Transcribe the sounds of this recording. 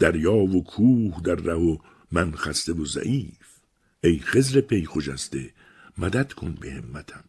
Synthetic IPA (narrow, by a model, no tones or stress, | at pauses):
d̪̥æɾjɒːvokʰuːhd̪æɾːæho | mænxæst̪evozæ̰ʔiːf | ʔejxe̞zɾe̞pʰe̞jxod͡ʒæst̪e̞ | mæd̪æd̪̥kʰo̰nbehemːæt̪ʰæm